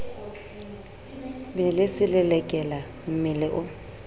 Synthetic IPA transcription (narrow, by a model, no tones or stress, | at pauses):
bɛlɪsɪlɪlɛkʼɛla | m̩mɪlɪʔʊ